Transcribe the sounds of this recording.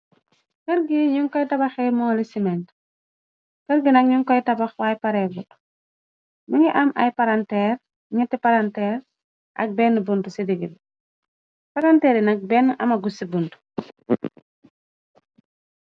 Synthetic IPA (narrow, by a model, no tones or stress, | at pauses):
kəɾɡiɲuŋkɔjtɐbɐxɛmɔŋlisimɛnt | kəɾɡinɐk̚ɲuŋkɔjtɐbɐxwaːjpɐɾɛɡut | məŋiʔɐmɐ̰jpaɾantɛːr | ŋitːipaɾantɛːr | ʔɐ̰k̚bɛnːəbuntusidiɡil | pɐɾantɛːɾinɐk̚bɛnːʔɐmɐɡusibuntu̥